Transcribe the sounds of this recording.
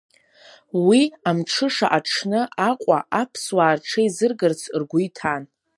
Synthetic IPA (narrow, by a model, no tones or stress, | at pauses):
wiamʈ͡ʂʰɨʂaʔaʈ͡ʂʰnɨʔaqʷʼaʔapʰswaːrʈ͡ʂʰaizɨrɡɨrt͡sʰrɡʷʊjtʰan